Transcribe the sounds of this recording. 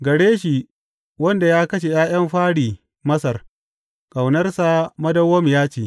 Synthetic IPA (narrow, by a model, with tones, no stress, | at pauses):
ɡɐ˨ɽeː˦ʃi˨ | wɐ˦nda˨jaː˦kɐ˦ʃ̬e˨j̰aː˦j̰ɐ˦mɸaː˦ɽiː˨ | mɐ˦sɐ˨r | kʼa˨wnɐ˦rsa˨mɐ˦dɐ˦wːɐ˦mjaː˦t͡ʃeː˨ʔ